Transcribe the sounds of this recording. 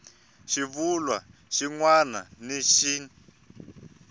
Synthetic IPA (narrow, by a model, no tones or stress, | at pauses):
ʃivulwa | ʃiŋwana̰neʃiːn